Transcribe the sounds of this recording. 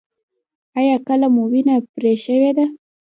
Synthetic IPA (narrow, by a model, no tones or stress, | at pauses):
ajɑkəlamowinapɾeʃəwed̪a